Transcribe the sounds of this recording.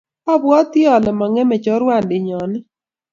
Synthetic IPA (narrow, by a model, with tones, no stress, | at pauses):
ɔ˦bwɔ˦ti˦ɔ˨lɪ˨mɔ˨ŋɛ˦mɛ˨t͡ʃɔ˨˦ɾwa˦˨ndɪ˨ɲɔ˨nɪ˦